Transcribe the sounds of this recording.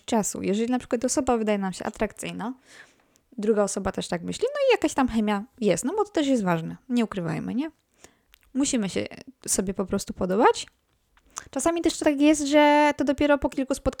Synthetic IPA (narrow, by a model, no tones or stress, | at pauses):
t͡ʂasṵjʔɛʐɛlʲinapʂɘkwat̪ɔsɔbavɘd̪ajɛnamɕɛ̰ʔa̰t̪ɾakt̪sɘjna | d̪ɾuɡaɔsɔbat̪ɛʂt̪akmɘɕlʲinɔijakaɕt̪amxɛmʲjajɛst̪nɔbɔt̪ɔ̥t̪ɛʂ̬jɛs̬t̪vaʐnɛɲɛukɾɘva̰jmɘ̰ɲɛ | muɕimɘɕɛ̰sɔbʲjɛpɔpɾɔst̪upɔd̪ɔbat͡ɕ | t͡ʂasamʲit̪ɛʂtt̪akjɛst̪ʐɛt̪ɔd̪ɔpʲjɛɾɔpɔkʲilkuspɔt̪̚k